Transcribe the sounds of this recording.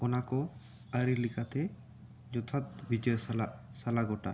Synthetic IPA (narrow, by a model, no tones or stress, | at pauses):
ɔnakɔ | aɾilikʰat̪ʰe | d͡ʒɔt̪ʰat̪bid͡ʒɔsalasalaɡɔʈa̰